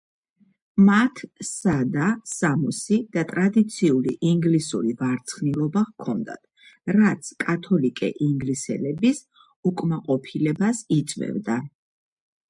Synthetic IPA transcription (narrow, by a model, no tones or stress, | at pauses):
mat̪ʰsad̪asamɔsid̪̥at̪ʼɾad̪it̪sʰiulḭʔiŋɡlisṵɾivaɾt̪sʰχnilˠɔbaʁkʰɔnd̪a̰t̪ʰ | ɾat̪sʰkʼat̪ʰɔlikʼɛ̰ʔiŋɡlisɛ̰lɛbis | ukʼmaqʼɔpʰilɛbasit̪sʼvɛ̰vd̪a